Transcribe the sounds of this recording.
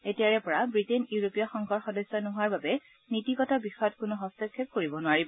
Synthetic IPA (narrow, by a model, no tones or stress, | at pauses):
etiaɹɛpɔɹabɹitenjuɹopijɔxɔŋkʰɔɹxɔdɔsːɔnɔɦoaɹbabɛ | nitikɔtabixɔjɔtkʊnuɦɔstɔkʰːep̚koɹibɔnʊaɹibɔ